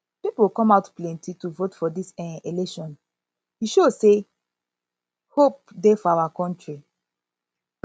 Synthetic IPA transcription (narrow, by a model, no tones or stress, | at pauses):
pipolkɔ̃maʊtplɛ̃ntʰituvotfɔdisɛ̃elɛʃɔ̃n | hiʃose | hop̚defɔawakɔ̃ntɹi